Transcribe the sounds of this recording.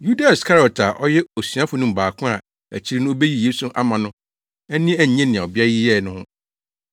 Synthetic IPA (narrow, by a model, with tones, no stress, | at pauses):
ju˦da˨skʰa˦ɾi˨ɔ˨ta˨ʔɔ˦jɛ˦o˨sɥã˦fʊ˨nʊ̃˦m̩˨baː˨kʰʊ̃˦a˨ | æ̰˨t͡ɕʰi˦ɾi˦nʊ̃˦o˦be˦ji˦jeː˦su˦ʔa̰˦mã˨nʊ̃˦ | ɛ˦nĩ˦æ˨ɲ˨ɲɛ̃˦nɪ̃˨ã˨ɔ˨bɪ˦a˦ji˦jɛ˦˨nʊ̃˦hʊ̃˦